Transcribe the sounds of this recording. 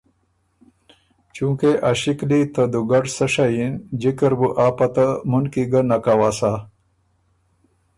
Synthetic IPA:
t͡ʃũkeʔaɕiklit̪ɐd̪uɡɐʈsɐʂajind͡ʑikɐɾbuʔaːpɐt̪amunkiɡɐnakawaːsa

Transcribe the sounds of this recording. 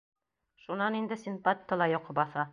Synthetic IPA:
ʃunɑnind̪ɘ̆sʲinpat̪ʲik̪ɤ̆lˠɑjoqɤbɑθɑ

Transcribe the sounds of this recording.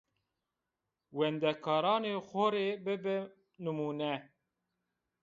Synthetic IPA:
wɛnd̪ɛkʰɑːɾɑːneːxoɾeːbɨbɨ | nɨmuːnɛ

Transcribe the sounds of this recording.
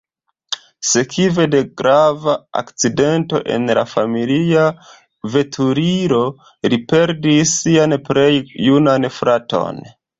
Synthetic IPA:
se̞kʰive̞de̞ɡɾavaa̰kt͡side̞nto̞̰ʔe̞̰nla̰familia | ve̞tʰuɾiɾo | lipe̞ɾdisːianpɾe̞jːunanfɾʔato̞̰n

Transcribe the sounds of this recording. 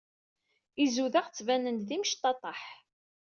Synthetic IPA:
izuðəʁt͡sːvænənd̪θimʃt̪ːɑt̪ˤɑħ

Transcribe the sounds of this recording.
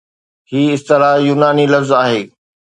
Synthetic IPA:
hiːɪst̪ɪlaːjuːnaːnilɐfzaːɦeː

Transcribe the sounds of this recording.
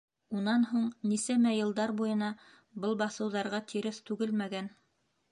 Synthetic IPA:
unɑnɦuɴnisæmæjɤ̆lˠd̪ɑɾbujɤ̆nɑ | bɤlˠbɑθɤ̆wðɑɾʁɑt̪ʰiɾɘst̪ʉɡɘlmæɡæn

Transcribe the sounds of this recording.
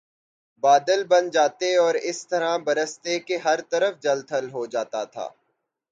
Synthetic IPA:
baːd̪əlbɐnd͡ʒaːt̪eɔːɾɪst̪ɐɾãbɐɾəst̪ekeɦɐɾt̪ɐɾəfd͡ʒɐlt̪ʰɐlɦod͡ʒaːt̪a̰t̪ʰa̰ː

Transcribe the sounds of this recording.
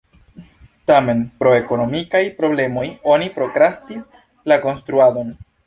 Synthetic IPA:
tame̞npɾo̞e̞ko̞no̞mikajpɾo̞ble̞mo̞jo̞nipɾo̞kɾastis | lako̞nstɾuado̞n

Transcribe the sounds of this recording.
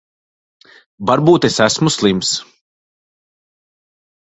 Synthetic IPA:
vaɾbuːt̪esæsmuslˠims

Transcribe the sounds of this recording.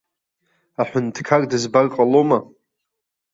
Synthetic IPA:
aħʷᶣʊntʰkʰardɨzbarqʼaloma

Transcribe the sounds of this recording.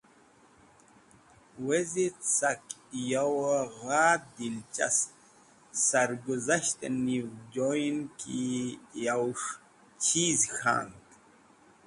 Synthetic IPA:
wezit͡sakjawɣaːd̪ilt͡ʃa̰s | saɾɡuzaʃt̪anivd͡ʒojnkijawʂ | t͡ʃʰiːzxa̰ŋk

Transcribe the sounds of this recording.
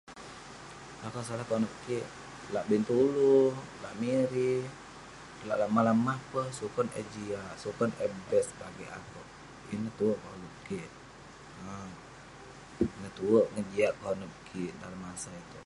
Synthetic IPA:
akasalahkɔnəp̚kiʔ | laʔbint̪ulula̰ʔmiɾi | la̰ʔlamalamːahpəhsukɔnɛ̰d͡ʒiaʔsukɔnɛbɛskaɡiʔa̰kɔʔ | ḭnəht̪uoʔkɔnup̚kiʔ | ə | nət̪uəʔŋəd͡ʒiaʔkɔnəp̚kʰiʔdalamːasait̪u

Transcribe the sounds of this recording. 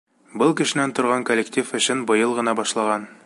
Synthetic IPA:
bɤlˠkɘ̆ʃɘ̆nænt̪ŏɾʁɑŋkolʲːektʲifɘ̆ɕɘnbɤ̆jɤlˠʁɤ̆nɑbɒʃlˠɑʁɑn

